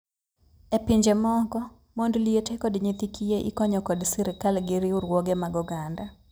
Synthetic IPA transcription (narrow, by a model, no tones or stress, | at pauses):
epɪɲd͡ʒemɔɡɔ | mondlietekɔdɲit̪ikʰijeʔḭkɔɲɔkɔdsiɾɪkalɡɪɾɪʊɾwɔɡemaɡɔɡanda